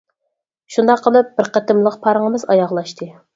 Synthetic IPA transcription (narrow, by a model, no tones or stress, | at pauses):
ʃund̪ɑqʰːəlˠɨp̚b̥ɪɾqʰæt̪ɪmlˠəqpʰɑɾəŋəmɨzɑjɑʁlˠɑʃt̪ʰɨ